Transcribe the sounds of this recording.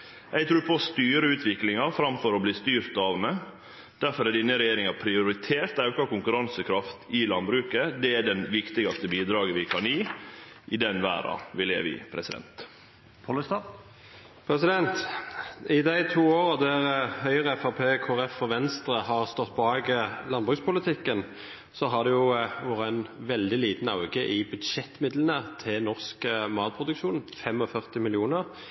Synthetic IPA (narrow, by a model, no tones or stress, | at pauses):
æɪt̪ʰɾuːpʰɔst̪yːɾəʉːt̪ʰʋɪklɪŋɑɾfɾɑmfɔɾɔbliːst̪yːɾt̪ɑʋmɛ | d̪̥æɾfɔɾɛd̪ɪnəɾɛjeːɾɪŋɑpʰɾɪʊɾɪt̪ʰeːɾt̪ɑʉkɑkʊŋkʉɾɑnsəkʰɾɑft̪ɪlɑnbɾʉːkəd̪ɛæɖɛnʋɪkt̪ɪɡɑst̪əbiːd̪ɾɑːɡəʋɪkʰɑniː | ʔɪd̪ɛnʋæ̰ːɾɑ̰ʋɪlɛæ̰ʋɪ̰pʰɾɛsɪd̪ɛ̰nt̪ | pʰɔləst̪ɑ | pʰɾɛsɪd̪ɛnt̪ | ɪd̪æɪt̪ʰuːoːɾəd̪æʁhœʏəʁəɛfɑpʰeːkʰoːɾɛfːɔʋɛnst̪ɾəhɑʁst̪ɔt̪̚ːbʰɔɑːɡəlɑnbʁʉːspʊlət̪ʰɪkːən | sɔɦɑd̪ɛjʊʋɔʁænʋɛld̪ɪliːt̪n̩ɑʉɡəʔɪbʉd̪ʃɛt̪ːmɪd̪lənət̪ʰɪnɔʁskəmɑːt̪̚pʰʁʊd̪ʉkʃuːnfɛmɔfœʁt̪ɪmɪlɪuːnəʁ